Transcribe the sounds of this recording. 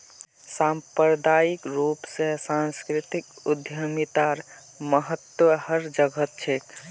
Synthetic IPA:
sampəɾd̪aikɾupsesanskɾit̪ikud̪ʱjəmit̪aɾ | məɦət̪wəhəɾd͡ʒəɡət̪̚t͡ʃʰek

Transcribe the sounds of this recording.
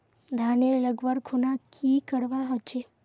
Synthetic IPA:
d̪ʱaːneləɡʋəɾkʰunakʰikəɽʋaɦot͡ʃʰe

